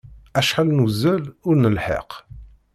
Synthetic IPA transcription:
æʃħalnuzːælʊɾnəlħə̰q

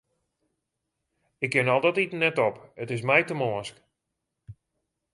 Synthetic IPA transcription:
ɪkːɪnɔlˠdɔtitnɛtɔpətɪs̬mɛjtəmoːsk

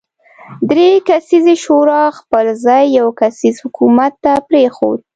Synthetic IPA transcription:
d̪ɾekasizeʃoɾɑxpəlzɑjːawkasizhʊkumat̪ːapɾexo̰d̪̚

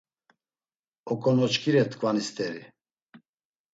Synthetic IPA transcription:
ɔkʼɔnɔt͡ʃkʰiɾɛt̪ʰkʰʼvanist̪ʰʼɛɾi

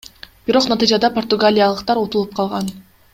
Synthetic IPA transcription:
b̥iɾo̞qnat̪ɨjd͡ʒɑd̪ɑport̪ʊuɡalʲijɑlˠəqt̪ɑɾot̪ulˠup̚qʰɑlˠʁɑn

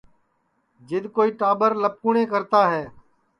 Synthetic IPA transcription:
d͡ʒɪd̪koːiːʈaːbəɾləp̚kuːɳeːkəɾt̪aːɦɛː

